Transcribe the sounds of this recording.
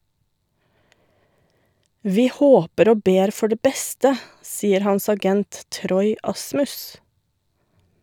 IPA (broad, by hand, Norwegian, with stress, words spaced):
ˈʋiː ˈhoːpəɾ ˈoː ˈbeːɾ ˈfɔ ˈɖeː ˈbɛstə ˈsiːəɾ ˈhɑns ɑˈɡɛnt ˈtɾɔʏ ˈɑsmʉs